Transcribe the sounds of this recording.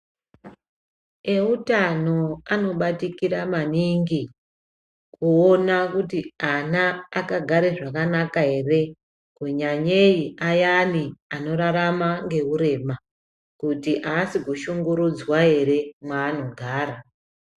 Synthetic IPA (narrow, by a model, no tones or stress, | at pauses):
e̞utano̞ano̞ɓatikiɾamaniŋɡi | kuonakutianaːkaɡʱaɾeʐakanakaɦe̞re̞ | keɲaɲeiʔajaniano̞ɾaɾamaŋɡe̞uɾe̞ːma | kutiʔaːsiɡʱuʃuŋɡuɾud͡zwae̞ɾe̞mwaːno̞ɡʱaːɾa